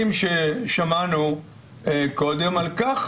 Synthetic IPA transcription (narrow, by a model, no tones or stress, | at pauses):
imʃeʃamanu | ko̞d̪emalkaχ